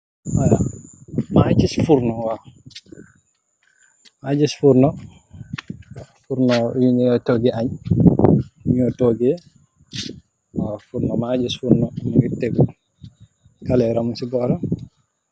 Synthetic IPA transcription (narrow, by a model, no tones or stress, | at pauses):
waja | mad͡ʒisfuɾnɔwa | mad͡ʒisfuɾnɔ | fuɾnɔjuɲjɔtoɡɛaɲ | juɲɔtoɡɛ | afuɾnɔmad͡ʒisfuɾnɔnuɡitːeɡu | kalɛɾamusibɔɾa